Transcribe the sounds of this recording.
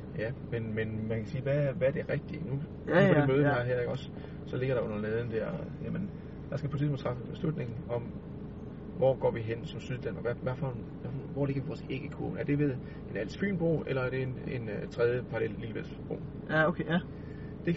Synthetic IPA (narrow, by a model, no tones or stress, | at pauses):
jæmenmenmænkʰæsiːʋæʋæɐd̥e̝ʁɛɡ̥̚d̥inu | pɒdemøːðˠɑɦæɐ̰eɡɒ̽s | sɒ̽leɡ̥ɐɾ̥ɑ̈ɔ̽n̰ɐleːðˠn̩d̥æɐ̰jæmən | d̥ɑ̈sɡ̥æpʰɒt͡sʰismol̩̥ˠt͡sʰɑfəb̥e̝slud̥ne̝ŋn̩ɒ̽m | ʋɒ̰ɡ̥ɒ̰ːʋiɦen̰sɒ̽msyðˠd̥ænmɐʋæʋæfɒ | ʋæfʋɒle̝ɡ̥ɐʋiʋɒːse̝ːɡ̥əkʰo̰ːnæɐd̥e̝ʋe̝ðˠ | e̝næl̰sfy̰ːnb̥ʁo̝̰ːelɐæɐɾ̥e̝ne̝nt͡sʰʁɛð̞ˠjəpʰɑ̈ɑlel̰ːiːʋel̰sb̥ʁo̝̰ː | okʰe | d̥e̝